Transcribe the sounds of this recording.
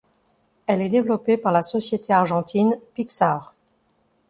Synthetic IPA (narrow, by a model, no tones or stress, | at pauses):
ɛlɛd̪evlɔpepaʁlasɔsjet̪ʰeaʁʒɑ̃t̪ʰinpiksaʁ